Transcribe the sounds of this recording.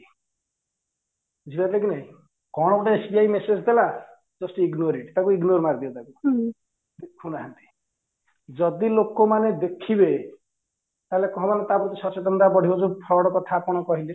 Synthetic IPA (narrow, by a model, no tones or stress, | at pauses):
d͡ʒʱibat̪ʰlekinaɦĩ | kɔɽ̃ɔbɔʈeesbiajmesed͡ʒd̪ela | d͡ʒɔsʈiɡnoɾiʈt̪akuiɡnoɾmaɾd̪iɔt̪aku | huñaɦɔnt̪i̥ | d͡ʒɔd̪ilokɔmaned̪ekʰibe | t̪aɦelekɔɦɔ̃manet̪abut̪isɔt͡ʃɔt̪ɔnd̪abɔɽ̤ʱiod͡ʒupʰɔɾɔɽɔkɔt̪ʰakɔɽ̃ɔkɔɦile